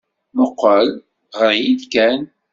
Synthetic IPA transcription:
məqːəl | ʁəɾˤjid̪kæn

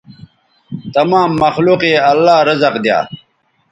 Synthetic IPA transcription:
t̪ɐmaːmːɐxluːqeːɐlːaːɾɐzɐqd̪ja̰ː

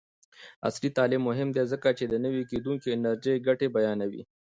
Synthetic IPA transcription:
a̰slit̪ɑːlɪmːʊɦɪmd̪ezəkat͡ʃed̪ənəwiked̪uŋkiɪnəɾd͡ʒejɡaʈebajɑːnawḭ

